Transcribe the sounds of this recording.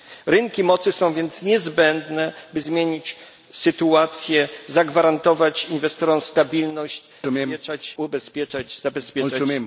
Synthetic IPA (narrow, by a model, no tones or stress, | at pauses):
ɾɘŋkʲimɔt̪sɘsɔ̃w̃vʲjɛnt̪sɲɛzbɛnd̪nɛbɘzmʲjeɲit͡ɕ | sɘt̪uat̪sʲjɛzaɡvaɾant̪ɔvat͡ɕinvɛst̪ɔɾɔm̃st̪abʲilnɔɕt͡ɕ | ɛt͡ʂat͡ɕubɛspʲjɛt͡ʂat͡ɕzabɛspʲjɛa